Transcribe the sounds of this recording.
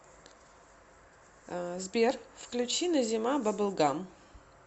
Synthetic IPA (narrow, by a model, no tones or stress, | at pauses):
zbʲerfklʲʉt͡ɕinɐzʲɪmabɐbɨlˠɡam